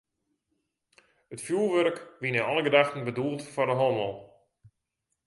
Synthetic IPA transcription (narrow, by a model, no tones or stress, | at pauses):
ətfjuːlˠʋørkʋinɪnɔlˠəɡədaxtn̩bəduəlˠtfɔrdəɦɔməlˠ